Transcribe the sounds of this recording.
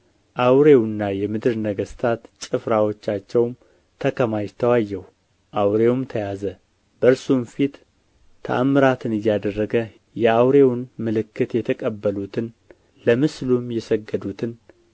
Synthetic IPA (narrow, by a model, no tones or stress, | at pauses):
ʔawɾe̞wnːajɛmɨd̪ɨɾnəɡəst̪ʰat̪t͡ʃʼɨfɾawot͡ʃːat͡ʃːɛwm | t̪ʰəkʰəmajt̪ʰəwajːɛw | ʔawɾe̞wmt̪ʰəjazə | bəɨɾsumfit̪ | t̪ʰːə̰ʔamːɨɾat̪ʰɨnɨjːad̪ərːəɡə | jɛawɾe̞wnmɨlɨkːɨt̪jɛt̪ʰəkʼəbːəlut̪ʰɨn | ləmɨslumjɛsəɡːəd̪ut̪ʰɨn